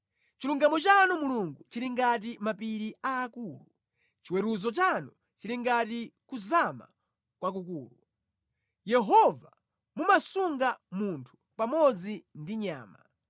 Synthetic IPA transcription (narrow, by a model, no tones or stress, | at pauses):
t͡ʃiluŋɡamɔt͡ʃanɔmuluŋɡut͡ʃiliŋɡat̬imapiɾiaːkuːlu | t͡ʃiwɛɾuzɔt͡ʃanɔ | t͡ʃiliŋɡatikuzama̰ | kwak̬ukuːlu | jɛɦɔva | mumasuŋɡamuntʰu̥pamɔd͡zindiɲa̰ːma